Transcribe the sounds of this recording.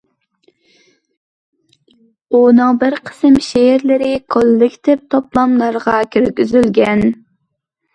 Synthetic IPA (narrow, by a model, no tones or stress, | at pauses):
unɨŋbɨɾqʰə̥sɨmʃeɾlɪɾɪkʰolˠːɪkʲt̪ʰɪp̚t̪ʰoplˠɑmlˠɑɾʁɑkʲʰyɾɡʲyzylɡʲɛn